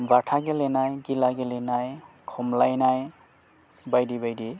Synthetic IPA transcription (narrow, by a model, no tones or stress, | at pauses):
baʈʰaɡelenajɡilaɡelenaj | kʰɔmlajnaj | bajdibajdi